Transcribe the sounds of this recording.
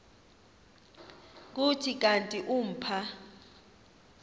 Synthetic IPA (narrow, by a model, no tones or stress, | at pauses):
k̬utʰik̬ʼantʼiʔum̩pʰa